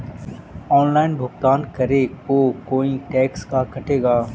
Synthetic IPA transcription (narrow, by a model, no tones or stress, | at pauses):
ɔːnlaːɪnbʱʊkt̪aːnkɐɾeːkoːkoːiʈɛːkskakɐʈeːɡaː